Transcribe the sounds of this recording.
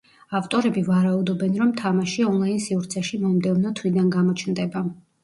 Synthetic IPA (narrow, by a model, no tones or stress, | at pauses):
aft̪ʼɔɾɛbivaɾaud̪ɔbɛnɾɔmt̪ʰamaʃiɔnlˠainsiuɾt̪sʰɛʃimɔmd̪ɛvnɔt̪ʰwid̪anɡamɔt͡ʃʰnd̪ɛba